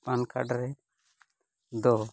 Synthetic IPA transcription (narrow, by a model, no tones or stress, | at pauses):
panka̰ɖɾɛ | d̪ɔ